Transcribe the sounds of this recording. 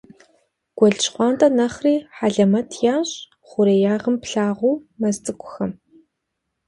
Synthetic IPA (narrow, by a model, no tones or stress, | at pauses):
ɡ̥ʷɔɮt͡ʃχʷɑːntʰʼɐnɐχriːħaɮɐmɐtʰjaːɕʼ | χʷʊɾeːjaːʁəmpɬaːʁʷuːmɐzt͡sʼɨkʷʼʊxɐm